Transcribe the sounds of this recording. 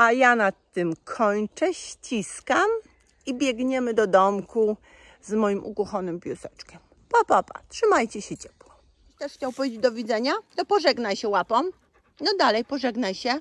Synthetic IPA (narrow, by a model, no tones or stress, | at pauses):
ajanat̪ːɘmkʰɔɲt͡ʂɛɕt͡ɕiskam | ibʲjɛɡɲɛmɘd̪ɔd̪ɔmku | zmɔjimʔṵkuxɔnɘmpʲjusɛt͡ʂkʲɛm | papapa̰tʂɘmajt͡ɕɛɕɛt͡ɕɛ̥pwɔ | iɕt̪ɛʂxt͡ɕawpɔvʲjed͡ʑed͡ʑʲd̪ɔvʲid̪zɛɲat̪ɔpɔʐɛɡnajɕɛwapɔm | nɔd̪alɛjpɔʐɛɡnajɕɛ